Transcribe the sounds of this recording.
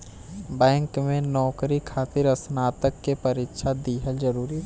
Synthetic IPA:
bɛ̃ːŋkmẽnɔːkɾikʰaːt̪ɪɾɐsnaːt̪əkːepɐɾɪkʃʰad̪iːɦəld͡ʒəɾuːɾi

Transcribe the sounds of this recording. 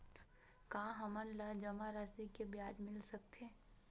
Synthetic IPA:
kãːɦɐmənlad͡ʒɐmaɾasikebjaːd͡ʒmɪlsɐk̚t̪ʰeː

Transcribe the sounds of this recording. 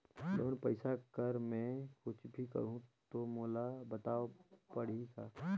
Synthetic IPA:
lo̰ːnpəɪsakəɾmɛ̃kʊt͡ʃʰbʱikə̰ɾũt̪omoːlabət̪aːopəɽ̤isʰa

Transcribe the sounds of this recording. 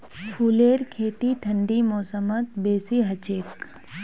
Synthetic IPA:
pʰuːleːɾkʰeːt̪iʈʰɐ̃ɳɖimɔːsəmət̪beːsiɦɐt͡ʃeːk

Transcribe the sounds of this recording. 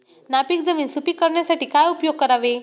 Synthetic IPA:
napiːk̚d͡zəmiːnsupiːkːəɾɳjasaʈiːkajupjoɡ̚kəɾaʋe

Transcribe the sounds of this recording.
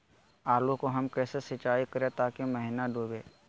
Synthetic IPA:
aːlukoɦɐmkɛːsesɪt͡ʃaːikɐɾẽt̪aːkeməɦɪnaɖuːbeː

